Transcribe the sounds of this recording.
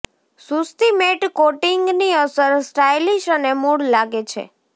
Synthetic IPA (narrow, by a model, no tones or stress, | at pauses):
sust̪imeʈkoʈiŋɡniəsəɾsʈajliʃənemuɽlaɡet͡ʃʰḛ